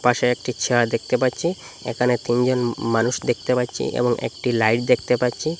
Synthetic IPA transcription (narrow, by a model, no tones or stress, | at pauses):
paʃeek̚ʈit͡ɕʰeɾad̪ek̚t̪epatːɕʰi | ḛkʰanet̪ind͡ʑonmanuʃd̪ek̚t̪epatːɕʰḭʔḛboŋḛk̚ʈilajʈd̪ek̚ʰt̪epatːɕʰi